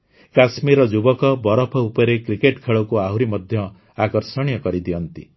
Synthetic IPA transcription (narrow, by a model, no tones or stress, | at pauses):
kasmiɾɔd͡ʒubɔkɔbɔɾɔpʰɔupɔɾekɾikeʈkʰeɭɔkuaɦuɾimɔd̪ʱjɔ | akɔɾsɔɽ̃ijɔkɔɾid̪iɔnt̪i